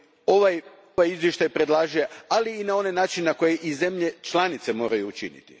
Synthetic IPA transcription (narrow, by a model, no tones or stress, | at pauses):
o̞ʋaj | ʋajizʋjeʃt̪ajpɾe̞d̪lˠaːʒijealiːnao̞nenaːt͡ʃinenako̞jeʔize̞mʎe̞t͡ʃlˠanit̪semo̞ːɾajuːt͡ʃḭnḭt̪ḭ